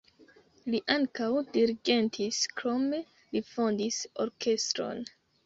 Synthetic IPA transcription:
liʔaŋkawdiɾiɡe̞ntʰiskɾo̞me̞ | lifondiso̞̰ɾkʰe̞stɾo̞̰n

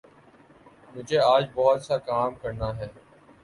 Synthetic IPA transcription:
mʊd͡ʒʱeːaːd͡ʒbɔɦɔt̪saːkaːmkəɾnaːɦɛː

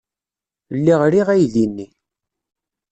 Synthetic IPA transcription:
lːiʁɾiʁæjðinːi

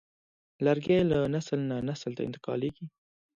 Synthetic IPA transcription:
laɾɡjajlanaslnanaslt̪a̰ɪ̰nt̪ɪ̥qɑ̰leɡi

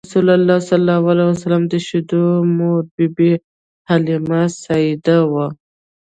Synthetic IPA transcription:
sulalːɑsalːɑwalwasalamd̪əʃɪd̪omoɾbibi | halimasaid̪awa

